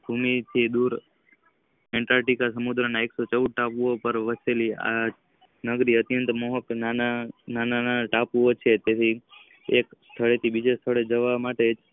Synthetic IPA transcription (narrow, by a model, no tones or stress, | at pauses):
bʱumit̪ʰid̪uɾ | ɛɳʈaɾʈikasəmud̪ɾənaeksot͡ʃəud̪̚ʱʈapuopəɾʋəselia̰ | nəɡɾiət̪jənt̪moɦəpnananananaʈapuot͡ʃʰet̪et̪ʰi | ekst̪ʰəɭet̪ʰibid͡ʒest̪ʰəɭed͡ʒəʋamaʈed͡ʒ